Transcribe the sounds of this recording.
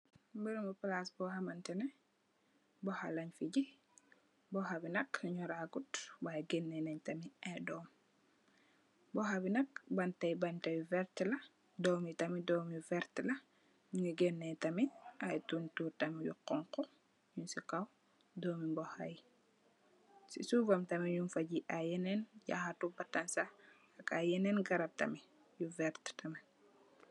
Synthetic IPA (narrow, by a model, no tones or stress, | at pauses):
mbəɾmuplasbɔhamɐntɛnɛ | bɔhalɐɲfiɟi | bɔhabinɐkɲuɾaɡutbajɡenːɛnɐɲtɐmiadɔːm | bɔhabinɐk̚bɐntɐjbantɐwivɛɾtlɐ | dɔːmitɐmidɔːmivɛɾtlɐ | juŋiɡɛnːɛtɐmiʔajtuntuːɾtɐmijṵqɔŋkɔ | junsikɐw | dɔːmimbɔhaji | sḭsuvɐmtɐmijunfɐɟiʔajɛnɛnja̰xatubɐtɐnsa | ɐkajɛnɛnɡɐɾɐb̚tɐ̰mi | juvɛɾttʰɐmi